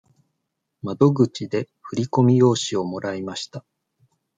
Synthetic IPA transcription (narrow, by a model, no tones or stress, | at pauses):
mad̪o̞ɡɯ̟t͡ɕid̪e̞ | ɸɯ̟ɾʲiko̞mʲijo̞ːɕio̞mo̞ɾaimaɕi̥t̪a